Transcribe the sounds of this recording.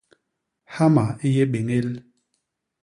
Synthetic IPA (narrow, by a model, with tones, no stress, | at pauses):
ha˦ma˨i˦je˦ɓe˨ŋe˦l